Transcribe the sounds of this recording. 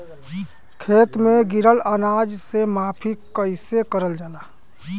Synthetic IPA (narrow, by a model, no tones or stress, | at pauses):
kʰeːt̪mẽɡɪɾələnaːd͡ʒsemaːpʰikəɪsekəɾəld͡ʒaːlaː